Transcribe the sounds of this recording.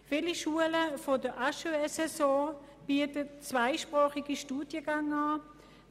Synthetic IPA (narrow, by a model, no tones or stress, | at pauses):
fiːliʃuələfodəʔaʃuɛsɛsɔ̃ː | b̥iətətt͡svaɪʃpʁaːχiɡiʃtuːd̥jəɡaŋaː